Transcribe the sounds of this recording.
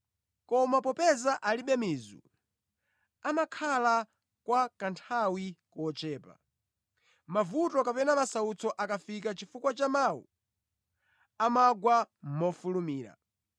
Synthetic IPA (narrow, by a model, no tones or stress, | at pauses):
kɔmapɔpɛzaʔaliɓɛmizṵ | amakʰala | kwakantʰawikɔt͡ʃɛːpa̰ | mavutɔkapɛnamasaut͡sɔʔakafikat͡ʃifukwat͡ʃamawṵ | amaɡwamɔfulumiːɾa̰